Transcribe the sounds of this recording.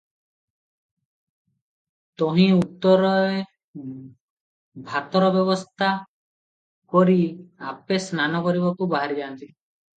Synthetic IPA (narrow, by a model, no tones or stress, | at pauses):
t̪ɔɦĩut̪ːɔɾɔe | bʱat̪ɔɾɔbjɔβɔst̪ʰa | kɔɾiapesnanɔkɔɾibɔkubaɦaɾid͡ʒant̪i